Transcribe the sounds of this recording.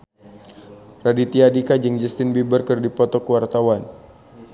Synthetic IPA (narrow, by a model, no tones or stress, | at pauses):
radit̪iadikad͡ʒəŋd͡ʒəst̪ɪnbibərkərdipɔt̪ɔkəwart̪awan